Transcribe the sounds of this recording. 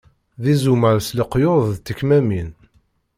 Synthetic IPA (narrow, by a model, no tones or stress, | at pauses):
ðizumæɾsləqːjoðððt̪ːəkːmæmin